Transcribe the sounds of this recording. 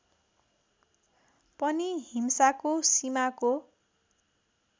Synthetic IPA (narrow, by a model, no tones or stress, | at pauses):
pʌniɦimsakosimako